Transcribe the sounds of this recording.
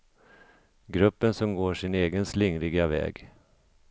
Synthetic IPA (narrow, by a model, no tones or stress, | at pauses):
ɡɾɵpːənsɔmɡoːʂɪneːɡənslɪŋɾɪɡavɛ̰ːɡ